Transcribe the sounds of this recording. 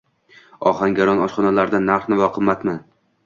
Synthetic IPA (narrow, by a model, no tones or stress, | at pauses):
ɒχaŋɡʲaɾɒnɒʃχɒnalaɾd̪anːaɾχnɪvɒqʰɨmːat̪mɪn